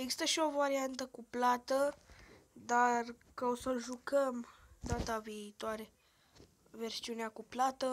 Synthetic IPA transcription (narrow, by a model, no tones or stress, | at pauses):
eɡzi̥st̪əʃio̞vaɾiant̪əkuplat̪ə | d̪ar | kaosəlʒukəmd̪at̪aviːt̪oaɾe̞ | ve̞rsiuneakuplat̪ə